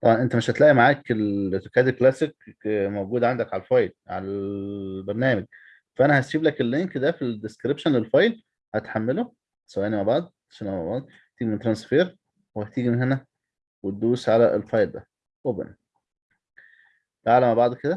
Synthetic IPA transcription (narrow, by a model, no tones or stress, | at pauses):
t̪ˤɑbʕɑnʔent̪æmeʃhæt̪læːʔimaʕaːkelet̪okæːd̪eklæsekmowɡuːd̪ʕand̪ækʕa̰lælfɑːjlʕa̰læbeɾˤnæːmæɡ | fæʔænæhæsʃiːblækelːeŋkid̪æfid̪eskɾibʃonlelfɑːjl | hæt̪ħamːelo | sæwæjænimaʕbɑʕd̪̚ˤ | ʃenæmabɑʕd̪ˤ | hæt̪iːɡiment̪ɾɑnsfeːɾ | wehæt̪iːɡimenhɦenæ | wed̪ːuːsʕalæʔḛlfɑjld̪æ̰ | ʔobḛn | t̪æʕalæmaʕbɑʕd̪ˤked̪æ